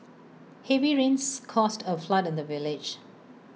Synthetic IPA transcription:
hɛviɹĩnskʰɔstʰəfladɪ̃ndəvɪlɪd͡ʒ

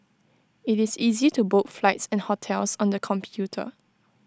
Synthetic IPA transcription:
ɪtɪsizitubotflaɪtsɛ̃nhɔtʰɛlsɔ̃ndəkʰɔ̃mpʰjutʰə̰

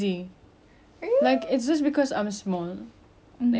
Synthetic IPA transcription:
i | laɪkɪtsd͡ʒʌs̬tbɪkʰɔsã̰ɪ̃msmɔl

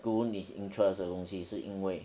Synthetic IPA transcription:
kuniḭntʰɹɛsd̪əkʊŋɕiʂɻ̩ʔiŋweɪ

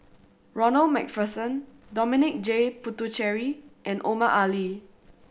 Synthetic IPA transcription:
ɹɔnəlmɛ̰kfəsə̃ndɔminɪk̚d͡ʒeputut͡ʃɛɹiʔɛ̃nʔomaʔali

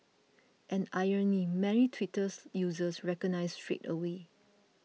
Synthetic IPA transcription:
ʔɛ̃najənimɛɹitʰwitəsjuzəsɹɛkɔnaɪstɹḛtəwe

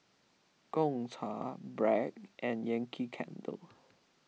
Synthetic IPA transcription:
kɔ̃ŋtʰabɹɛkʔɛ̃njɛ̃ŋkʰikʰɛ̰̃ndə̰l

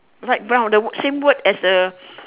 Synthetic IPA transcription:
laɪk̚bãwdəwsẽmwətɛsə

